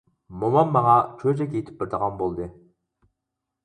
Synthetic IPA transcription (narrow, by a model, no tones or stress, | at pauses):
momɑmːɑŋɑt͡ʃʰød͡ʒɛkʲet̪ʰɪ̥p̚bɪɾd̪əʁɑnbolˠd̪ɨ